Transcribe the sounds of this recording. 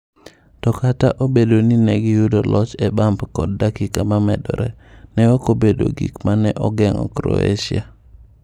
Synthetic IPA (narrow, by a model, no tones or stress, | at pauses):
tɔkataʔobedoninɛɡijudolɔt͡ʃɛbampkɔd̚ːakikamamɛ̰dɔ̰ɾɛ̰nɛɔkobedo̰ɡḭkmanɛʔɔɡɛŋɔ̰kɾo̰ḛʃia